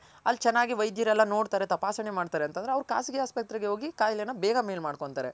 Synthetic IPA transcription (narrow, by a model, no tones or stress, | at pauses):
ɐlːt͡ʃɛnːaːɡiʋɐjd̪ʱjiɾɛlːɐno̞ːɖt̪aːɾet̪ɐpaːsɐɳemaːɖt̪aːɾeɐnt̪ɐnd̪ɾeɐʋɾuka̰ːsiɡijaːspek̚t̪ɾiɡeɦoːɡikaːjljɐnːɐbɛːɡɐmeːlmaːɖko̞ɳt̪aːɾe